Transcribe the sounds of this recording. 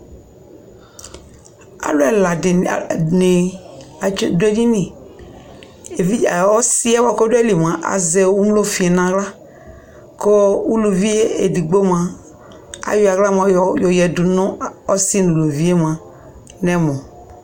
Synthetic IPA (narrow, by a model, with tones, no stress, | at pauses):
a̰˨lʊ˦ɛ˨la˨nɪ˨˦ | dʊ˦e˦d͡ʒi˦nĩ˨ | vi˦˨ɔ˦si˦ɛ˦wɔ˨ko˦dʊ˦ɛ˦li˨m˨ã˨ʔa̰˨ze˨wu˦m˦lo˦fi˨ɛ˨nã˨ɣla˦ | kɔ˦u˦lu˨vi˦e˦e˨di˨ɡ͡bo˦m˨a˨ | a̰˨jʊ˦˨a˨ɣla˦m˨a˨˦˨jɔ˨jɛ˨dʊ˨nʊ̃˦ɔ˦si˦nu˨lo˨vi˦e˦m˨ã˨ | nɛ˦mɔ̃˨